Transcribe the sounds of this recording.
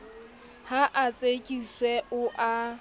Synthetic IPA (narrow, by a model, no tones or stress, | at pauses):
haʔat͡sʼekʼiswɛʔʊʔa